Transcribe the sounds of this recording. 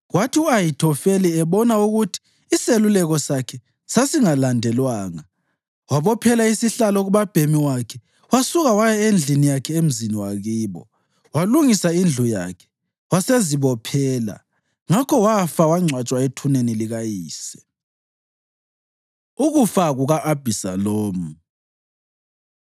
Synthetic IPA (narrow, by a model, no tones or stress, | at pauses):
ɣwatiuajitʰɔfeliɛβɔnauɣutʰi̥ː | selulɛɣɔsakʰɛ | sasiŋalandʱɛlwaːŋa | waβɔpʰɛlaisiɬalɔɣuβab̥ʱemiwakʰɛ | wasuɣawajɛend͡ɮʱinijakʰɛem̩ziniwa̰ɣiːβɔ̰ | waluŋisaind͡ɮʱuja̰kʰɛ̥ | waseziβɔpʰɛːla̰ | ŋakʰɔwafawaŋ͡ǀʱwat͡ʃʼwaetʰuneniliɣajiːsɛ̥ | uɣufaɣuɣaʔːb̥ʱisa̰loːmu